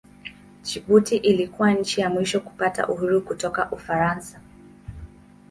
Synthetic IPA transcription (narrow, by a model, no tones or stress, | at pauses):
t͡ʃiɓutiʔilikuwaɲ̩t͡ʃijamwiʃɔku̥pata̰ʔuhuɾukutɔkaʔufaɾansa